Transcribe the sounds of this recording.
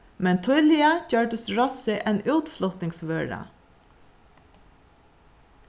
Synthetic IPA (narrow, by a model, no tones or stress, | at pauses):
mɛnt̪ʰʊʏlɪɑɟøːɖəsɹɔsɪʔɛnʉːt̪flɔt̪nɪŋsʋøːɹɑ̰